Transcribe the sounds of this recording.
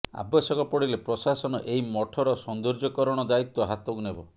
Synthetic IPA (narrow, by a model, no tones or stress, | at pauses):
a̰bɔsɔkɔpɔɽilepɾɔsasɔnɔ̰ʔejmɔʈʰɔɾɔsɔnd̪uɾd͡ʒɔkɔɾɔɽ̃ɔd̪ait̪wɔɦat̪ɔkunebɔ